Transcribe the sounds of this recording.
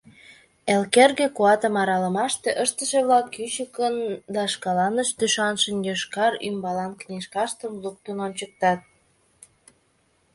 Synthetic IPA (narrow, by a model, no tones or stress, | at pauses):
elkerɣekuɑt̪əmɑɾɑlə̆mɑʃt̪eʔəʃt̪əʃeβlɑkːyɕəkənd̪ɑʃkɑlɑnəʃd̪yʃɑnʃənjoʃkɑɾy̰mbɑlɑnkneʃkɑʃt̪əmluk̚t̪ononʲt͡ɕək̚t̪ɑt̪̚